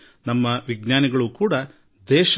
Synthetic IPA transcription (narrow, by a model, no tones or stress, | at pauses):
nɐmːɐʋiɡnaːniɡɐɭukuːɽɐ | d̪ɛːʃ